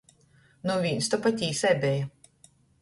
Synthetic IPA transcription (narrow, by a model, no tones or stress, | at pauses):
nuvʲinʲst̪ɔpat̪ʲiːsɛbʲɛja